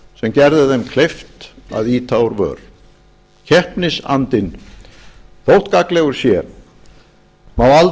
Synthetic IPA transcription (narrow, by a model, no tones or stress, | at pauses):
sɛmcɛɾðɪðɛmkʰlejft̪a̰ðiːt̪ʰaːwʏɾvœ̰ːɾ | cʰɛhpnɪsa̰nt̪ɪn | θowht̪kaklɛɣʏɾ̥sjɛɾ | mawal